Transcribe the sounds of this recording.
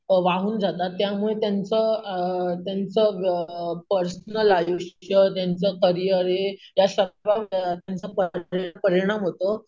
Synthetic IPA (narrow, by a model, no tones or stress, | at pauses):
ʋaɦuːnd͡zat̪at̪ːjamuɭet̪jant͡sə | t̪jant͡sə | pəɾsnəlajuɕjət̪jant͡səkəɾijəɾejaɕəʋat̪jant͡səpəɾpəɾiɽ̃amɦot̪ə